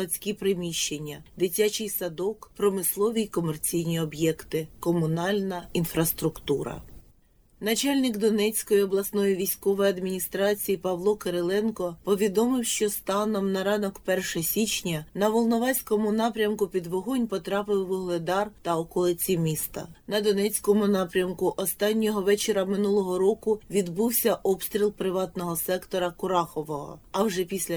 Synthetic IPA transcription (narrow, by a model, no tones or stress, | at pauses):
ɐt͡sʲkʲipɾɪmʲiʃt͡ʃːenʲːɐd̪ɪtʲat͡ʃɪjsɐd̪ɔkpɾɔmɪslˠɔʋʲikɔmert͡sʲijnʲiɔbjɛkt̪ɪkɔmʊnɑlʲnɐinfɾɐst̪ɾʊkt̪uɾɐ̰ | nɐt͡ʃɑlʲnɪkd̪ɔnɛt͡sʲkɔjiɔblˠɐsnɔjiʋʲijsʲkɔʋɔjɐd̪mʲinʲist̪ɾɑt͡sʲijipɐʋlˠɔkɐɾelˠɛnkɔpɔʋʲid̪ɔmɪwʃt͡ʃɔst̪ɑnɔmnɐɾɑnɔkpɛrʃɐsʲit͡ʃnʲɐnɐʋɔlˠnɔʋɑsʲkɔmʊnɑpɾʲɐmkʊpʲid̪ʋɔɦɔnʲpɔt̪ɾɑpɪwʋɔɦlˠed̪ɑrt̪ɐɔkɔlˠɪt͡sʲimʲist̪ɐ̰nɐd̪ɔnɛt͡sʲkɔmʊnɑpɾʲɐmkʊʔɔst̪ɑnʲːɔɦɔʋɛt͡ʃeɾɐmɪnulˠɔɦɔɾɔkʊʋʲid̪buwsʲɐʔɔpst̪ɾʲilˠpɾɪʋɑt̪nɔɦɔsɛkt̪ɔɾɐkʊɾɑxɔʋɔɦɔ̰ɐwʒɛpʲisʲlʲɐ